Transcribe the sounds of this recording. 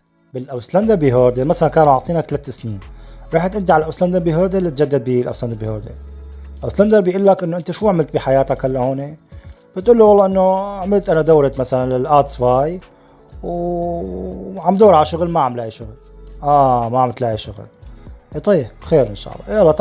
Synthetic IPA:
bɪlʔawsland̪əɾbiɦoːɾd̪emasalankaːnuʕɑʕt̪ˤiːnakt̪lat̪ːɪsniːnɾiːħt̪ʔɪnd̪iʕalʔawsland̪əɾˤbiɦoːɾd̪elːit̪̚d͡ʒad̪ːad̪̚bilʔa̰wsland̪əɾbihoːɾd̪ḛlʔawsland̪əɾbjʔuːlːakʔɪnːoʔɪnt̪aʃuːʕmɪlt̪biħajaːt̪akhalːahoːnib̥ɪt̪ʔuːlːuwɑlːˤɑːʔɪnːoʕmɪlt̪ʔanad̪awɾɪt̪masalanlɪlʔaːt̪sfaːj | w | ʕamd̪oːɾˤʕalaʃʊɣlmaʕamlaiʃʊɣl | ʔamaʕamɪlt̪laʕiʃʊɣ̰lʔeːt̪ˤɑjːbxeːɾʔɪnʃɑ̰ːlˤːɑ̰ʔalːɑt̪

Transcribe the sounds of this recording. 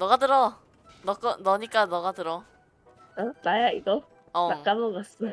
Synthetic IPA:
nʌɣatɯɾʌ | nʌk͈ʌnʌɲik͈anʌɡatɯɾʌ | anajaiɡʌ | ʌak͈amomas

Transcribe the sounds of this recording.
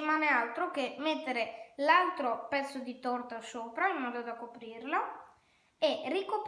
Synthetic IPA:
imaːnealt̪ɾok̟emːet̪ːeɾelalt̪ɾopɛt̪sːod̪it̪ɔrt̪osoːpɾaimːɔːd̪od̪akopɾirlo | erikop

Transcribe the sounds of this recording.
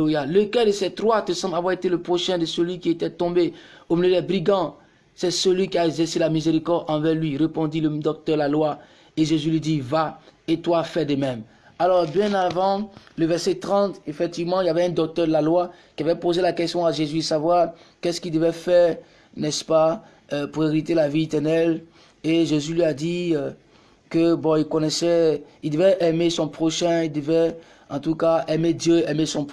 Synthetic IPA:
ojaləkɛʁd̪əsɛt̪ʁwat̪əsɑ̃mblavwaʁet̪eləpχoʃɛ̃d̪əsəlɥikʲiet̪ɛt̪ɔ̃beomiljød̪ɛbʁiɡɑ̃ | sɛsəlɥikʲiaɛɡzɛʁselamizeʁikɔʁd̪ɑ̃vɛʁlɥiʁepɔ̃d̪iləd̪ɔk̚t̪œʁdəlalwa | eʒezylɥid̪ivaet̪wafɛd̪əmɛ̃m | alɔʁbjɛ̃navɑ̃ləvɛʁsɛt̪ʁɑ̃t̪efɛk̚t̪ivmɑ̃iljavɛɛ̃d̪ɔk̚t̪œʁd̪əlalwakʲiavɛpozelakɛst̪jɔ̃aʒezysavwaʁ | kɛsə̥kild̪əvɛfɛʁ | nɛspa | puʁeʁit̪elaviet̪ɛʁnɛl | eʒezylɥiad̪i | kəbɔ̃ilkɔnɛsɛ | ild̪əvɛʔɛmesɔ̃pχɔʃɛ̃ild̪əvɛ | ɑ̃t̪ukaɛmed̪jøɛmesɔ̃p

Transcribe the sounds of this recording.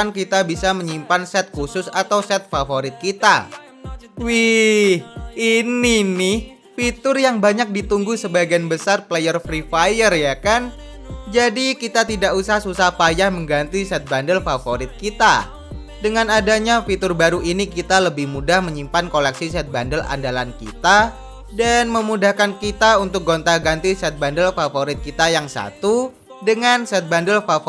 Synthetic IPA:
ankit̪abisaməɲimpansɛt̪̚kusʊsat̪awsɛt̪̚fafoɾɪt̪̚kit̪a̰ | wihininɪ | fit̪ʊrjaŋbaɲak̚dit̪uŋɡuhsəbaɡianbəsarplejərfɾifajərjakan | d͡ʒadikit̪at̪idakusaɦasusahpajahməŋɡant̪isɛt̪̚bandəlfafoɾɪt̪̚kit̪a̰ | dəŋanadaɲafit̪ʊrbaɾuinikit̪aləbɪhmudahməɲimpankolɛksisɛt̪̚bandəla̰ndalankḭt̪a | danməmudahkankit̪aunt̪ʊk̚ɡont̪aɡant̪isɛt̪̚bandəlfafoɾɪt̪̚kit̪ajaŋsa̰t̪u | dəŋansɛt̪̚bandəlfaf

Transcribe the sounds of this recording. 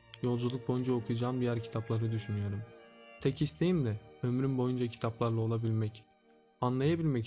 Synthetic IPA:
jo̞lˠd͡ʒulˠuk̚bo̞jund͡ʒaokʰujad͡ʒaːmd̪ijæɾcʰi̥t̪ʰaplˠaɾɯd̪yʃynyjo̞ɾumt̪ʰɛcist̪ʰe̞jimd̪ɛø̞mɾymbo̞jund͡ʒacʰi̥t̪ʰaplˠaɾlˠao̞lˠabilʲmɛc | anlˠajabilʲmɛc

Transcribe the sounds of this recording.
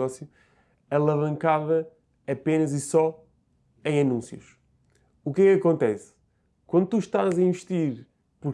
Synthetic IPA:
ɔsju | ɐlˠɐvɐ̃ŋkaðɐː | penɐzisɔ | ẽj̃ɐnũsjuʃ | ukɛkɐkõnt̪ɛs | kwɐ̃nd̪ut̪uʃt̪azɐĩvɨʃt̪iɾ | puɾ

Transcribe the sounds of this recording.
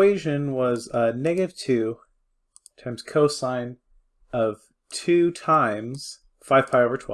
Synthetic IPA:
weɪʒɨ̃nwʌzənɛɡɨɾɨv̥tʰʉ | tʰãɪ̃mz̥kʰoʊsãɪ̃n | ʌv̥ | tʰʉtʰãɪ̃mz̥ | faɪv̥pʰaɪoʊvə˞tʰw̥ɛ̰

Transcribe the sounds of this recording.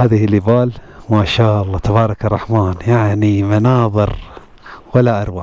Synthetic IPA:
haːðɪhɪlɪbaːl | maːʃaːʔɑlˤːɑːt̪ʰabɑːɾˤɑkɑrˤːɑħmaːnjaʕnimanɑːðˤɨɾ | walːaʔɑɾˤwa

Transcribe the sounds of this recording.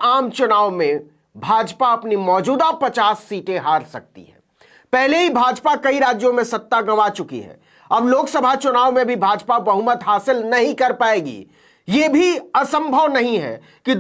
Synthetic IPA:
aːmt͡ʃʊnaːʋmẽ | bʱaːd͡ʒpaɐpnimɔːd͡ʒuːd̪apɐt͡ʃaːsːiːʈẽɦaːɾsɐ̰k̚t̪ḭɦɛ̰ː | pɛɦleɦibʱaːd͡ʒpakɐiɾaːd͡ʒjõmẽsɐt̪ːaɡɐmat͡ʃʊkḭɦɛ̰ː | ɐbloːksɐbʱat͡ʃʊnaːʋmẽbʱibʱaːd͡ʒpabɐɦʊmət̪ɦaːsɪlnɐɦĩkɐɾpaːeːɡḭː | jebʱiɐsə̃mbʱəʋnɐɦĩɦɛ̰ | kid̪

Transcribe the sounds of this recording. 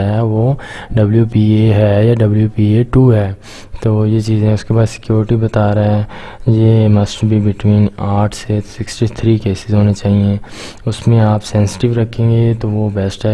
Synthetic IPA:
ɦɛʋoːɖɐbljupiːeɦɛjaɖɐbljupiːeʈuːɦɛː | t̪oːjet͡ʃiːz̃ɦɛ̃ʊskebaːd̪sɪ̥kjoːɾɪʈibɐt̪aːɾaɦɛ̃ | jemɐsʈbʱibɪʈʋĩːnaːʈʰsesɪksʈit̪ʰɾiːkeːsɪzɦoːnet͡ʃaːɦiẽ | ʊsmẽaːpsɛ̃nsɪ̥ʈɪʋɾɐkʰːẽːŋɡet̪oʋobɛsʈɦɛ

